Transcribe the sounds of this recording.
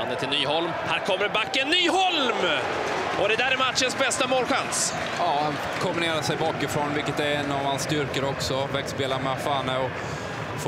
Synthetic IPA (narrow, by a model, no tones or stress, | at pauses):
nd̪ət̪ʰɪlnyːhɔlmhæːɾkʰɔmːəɾbakːɛnːyːhɔlm | ʔɔd̪ɛd̪æːɾɛɾmat̪ɕənsbɛst̪amoːlɧans | ɑːan | kʰɔmbɪneːɾaʂɛjbɑːkɪfɾɔnvɪlkːət̪ɛɾɛnːavhanst̪ʏɾkəɾəɔksɔvɛkspeːlaɾmɛafaːnəɔ | f